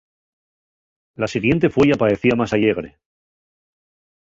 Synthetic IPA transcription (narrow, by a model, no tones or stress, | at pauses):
lasiɣje̞nt̪e̞fwe̞japaðe̞θiamasaʎe̞ɣ̞ɾe̞̰